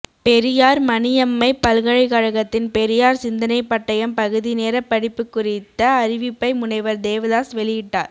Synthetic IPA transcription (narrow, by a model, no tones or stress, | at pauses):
pɛɾɪjaːɾmɐnɪjɐmːɐɪpɐlɣɐɻɐɪɣɐɻɐɣɐt̪ːɪnpɛɾɪjaːɾsɪnd̪ɐnɐɪpːɐʈːɐjɐmpɐɣɯðineːɾɐpːɐɽɪpːɯkːʊrɪt̪ːɐːɾɪʋɪpːɐɪmʊɳɐɪʋɐɾd̪eːʋɐðaːsʋɛɭɪjɪʈːa̰ːɾ